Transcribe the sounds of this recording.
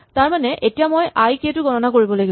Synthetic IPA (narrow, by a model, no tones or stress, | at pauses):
taɹmanɛʔetijamojʔajkietʊɡɔnɔnakoɹibɔlaɡi